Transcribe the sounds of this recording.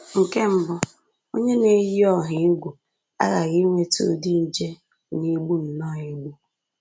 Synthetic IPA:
ŋ̩˨ke˦m̩˦bʊ˨ | o˦ɲe˦ne˨˦ji˦ɔ˦ɦɪ˨˦ɡʷu˨ | a̰˦ɣa˨ɣi˦ŋʷe˦tṵ˦˨di˦n̩˦d͡ʒe˦ | ni˦ɡ͡bu˦n̩˨nɔ˦˨i˨ɡ͡bu˦

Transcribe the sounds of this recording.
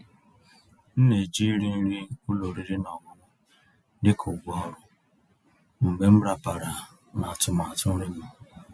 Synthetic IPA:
n̩˦ne˨d͡ʒi˦ɾi˦n̩˦ɾi˦ʊ˦lo˨ɾi˨ɾi˦nɔ˨ɡʊ˨mʊ˦ | dɪ˦kʰʊ˨ɡʷɔ˦ɔ˨ɾʊ˨ | m̩˨be˨m̩˦bɾa˨pa˨ɾa˨ | na˨tʊ˨ma˨a˨tʊ˦n̩˦ɾɪ˦mʊ˨

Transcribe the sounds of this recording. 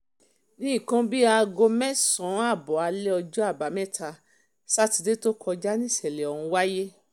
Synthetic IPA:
nĩ˦ĩ˦˨kã˧bi˦a˧ɡo˧mɛ̃˦sɔ̃˨˦a˦˨bɔ˨a˨˧lɛ˦ɔ˧d͡ʒɔ˦a˦˨ba˨˦mɛ̃˦˨tʰa˧ | sa˦ti˧de˦to˦kʰɔ˧d͡ʒa˦nĩ˦˨sɛ˨lɛ˨ɔ˨ũ˧wa˦je˦

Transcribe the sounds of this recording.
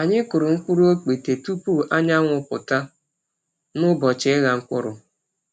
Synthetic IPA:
a˨ɲɪ˦kʊ˨ɾʊ˨ŋ̩˦kʷu˦ɾu˦o˦k͡pi˨te˨tu˦pu˦˨ʔa˦ɲa˦ŋʷʊ˨pʊ̰˨ta˦ | nʊ˦bɔ˨t͡ʃɪ˦ɪ˦ɣa˨ŋ̩˦kʷʊ̰˦ɾʊ˨

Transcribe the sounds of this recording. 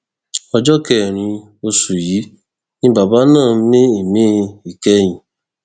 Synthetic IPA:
ɔ˧d͡ʒɔ˦kɛ˨ɾ̃ĩ˧ | o˧su˨ji˨˦ | nĩ˦ba˨ba˨˦nãː˦˨˦ne˦i˨mẽ˦i˨kɛ˧˦j̃ĩ˨

